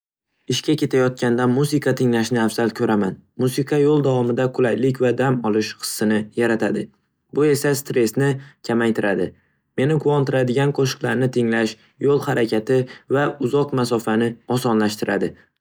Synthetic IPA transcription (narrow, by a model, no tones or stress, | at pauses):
ɪʃkʲakʲe̞t̪ʰajɒt̪̚kʲand̪anmusɪqʰɑt̪ʰɪŋlaʃnɪafzalkʲʰɵɾamanmusɪqʰɑjolˠd̪avɒmɪd̪aqʰʊlajlɪkʲvad̪amɒlˠɪʃqɨ̥sːɪnɪjaɾat̪ʰad̪ɪ | bʊe̞sast̪ɾe̞snɪkʲʰamajt̪ʰɪɾad̪ɪ | me̞nɪkʰʊɒnt̪ɪɾad̪ɪɡʲanqʰoʃɨ̥qlˠaɾnɪt̪ʰɪŋlaʃ | jolˠhaɾakʲʰat̪ʰɪvaʊzɒqmasɒfanɪɒsɒnlaʃt̪ɪɾʔad̪ɪ